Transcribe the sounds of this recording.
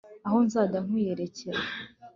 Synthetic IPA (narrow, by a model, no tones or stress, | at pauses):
aho̞nzaːdaŋ̥wiːje̞ɾe̞ceɾa